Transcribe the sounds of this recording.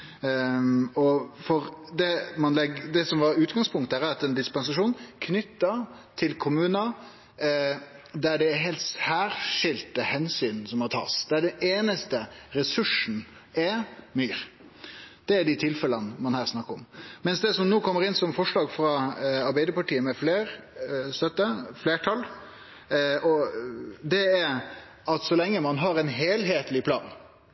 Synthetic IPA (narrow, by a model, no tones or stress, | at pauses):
ɔfɔɾd̪ɛmɑnlɛɡd̪ɛsɔmʋɑɾʉːt̪ɡɑŋspʰʊŋkt̪æɾæɑt̪ɛnd̪ɪspɛns̬ɑʂuːnkʰnʏt̪ːɑt̪ʰɪlkʰʊmʉːnə | d̪æɖɛɦɛlt̪shæːɾʂɪlt̪əhɛnsyːnsɔmhɑɾt̪ʰɑ̰ːsd̪æɖɛeːnəst̪əɾɛsʉʂn̩ | ɛmyːɾ | d̪̥ɛːɖ̪ɪt̪ʰɪlfɛlənmɑnhæːɾsnɑkːəɾɔmmɛnsd̪ɛsɔmnoːkʰɔmːəɾɪnsɔmfɔʂɭɑːɡfɾɑɑɾbæɪd̪əpɑʈiːəmɛfleːɾ | st̪œt̪ːəfleːʈʰɑl | ɔ | d̪ɛæɾ | ɑt̪sɔlɛŋːəmɑnɦɑɾɛnɦeːlɦeːt̪lɪpʰlɑ̰ːn